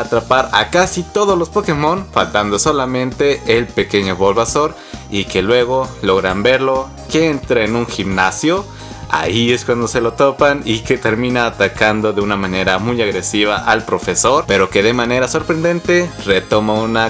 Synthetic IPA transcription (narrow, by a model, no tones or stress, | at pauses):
at̪ɾapaɾa̰kasit̪o̞ð̞ozlo̞spoke̞mõ̞nfa̰lt̪and̪o̞so̞lamẽ̞nt̪e̞ʔelpe̞ke̞ɲo̞βo̞lβaso̞ɾ | ike̞lwe̞ɣ̞o̞lo̞ɣɾambe̞ɾlo̞ | keent̪ɾeenũŋxibnasjo̞ | a̰ieskwand̪o̞se̞lo̞t̪opanike̞t̪e̞ɾmĩnaːt̪akand̪o̞ðeunamãne̞ɾamujaɣɾe̞siβ̞aʔalpɾo̞fe̞so̞ɾpeɾo̞ke̞ðe̞mãne̞ɾaso̞ɾpɾend̪e̞nt̪e̞re̞t̪o̞mauna